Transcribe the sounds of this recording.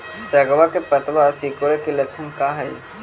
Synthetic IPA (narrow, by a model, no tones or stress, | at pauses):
sɐɡʋakepɐt̪ʋasikoɭekilɐkt͡ʃʰənkaɦɐi